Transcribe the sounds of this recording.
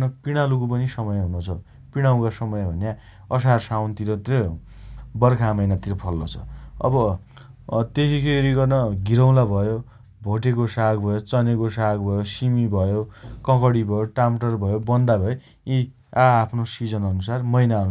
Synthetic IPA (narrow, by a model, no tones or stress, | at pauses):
nʌpiɽ̃alukopʌnisʌmʌjɦunot͡sʰʌ | piɽ̃aw̃kasʌmʌjbʱʌnja | ʌsarsawnt̪iɾʌt̪iɾʌ | bʌrkʰamʌjnat̪iɾʌpʰʌlːot͡sʰʌ̰ʌ̰bʌ | t̪esikʰeɾiɡʌrnʌɡʱiɾʌw̃labʱʌjo | bʱoʈekosaɡbʱʌjot͡sʌnekosaɡbʱʌjosimibʱʌjokʌ̃kʌɽibʱʌjoʈamʈʌrbʱʌjobʌnd̪abʱʌe | i | aːpʰnosid͡zʌnʌnusarmʌjnaʌn